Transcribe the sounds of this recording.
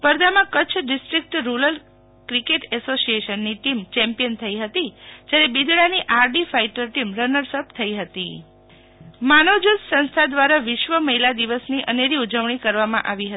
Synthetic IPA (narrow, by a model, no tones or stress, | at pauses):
pəɾd̪amãkət͡ʃʰɖɪsʈɾik̚ʈɾuləl | kɾikeʈɛsosieʃənːiʈimt͡ʃɛ̃mpijənt̪ʰəiɦət̪id͡ʒjaɾebid̪ɽaniʔaɾɖifaiʈəɾʈimɾənəɾsəp̚t̪ʰəiɦət̪i | manod͡ʒud̪sə̃nst̪ʰad̪ʋaɾaʋɪʃʋəməɦilad̪iʋəsniʔəneɾiud͡ʒəʋɳikəɾʋamã̰ʔaʋiɦə